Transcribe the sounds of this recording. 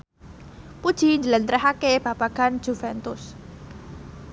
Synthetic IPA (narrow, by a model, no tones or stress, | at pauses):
pud̥ʒ̥i̤nɲd͡ʒələnt̪ɾɛɦakeb̥ab̥aɡ̥an̥ʒ̥ufɛnt̪ʊs